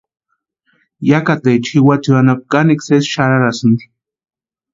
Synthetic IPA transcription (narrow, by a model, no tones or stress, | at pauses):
jakat̪ejt͡ʃʰiwat͡suanap̚kaniksesʃaɾaɾasɨnd̪